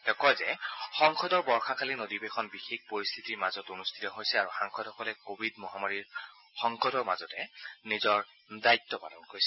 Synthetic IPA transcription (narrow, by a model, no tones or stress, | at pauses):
dɔkɔjzɛxɔŋxʰɔdɔɹbɔɹxakʰalinodibexɔnbixekpoɹist̪ʰitiɹmazɔtunustʰi̥tɔɦojsɛaɹuxaŋkʰɔdhɔkɔlɛkobʱidmɔɦamaɹiɹ | xɔŋkʰɔdɔɹmazɔtɛnizɔɹ | dajtːɔpalɔnkojsɛ